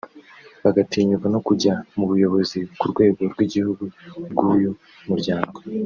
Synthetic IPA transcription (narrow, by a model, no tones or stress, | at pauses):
βaɡatiːɲukano̞kuɟamuβujo̞βo̞zikuɾɡwe̞ːɡo̞ɾɡwiɟihuɡubɡuːju | muɾɟaːŋɡo